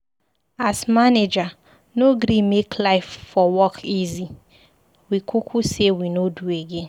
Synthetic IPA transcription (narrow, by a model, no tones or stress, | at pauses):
asmaned͡ʒa | noɡɾimekʰlaɪfːɔwɔkʰizi | wikʰukʰusewinodueɡẽn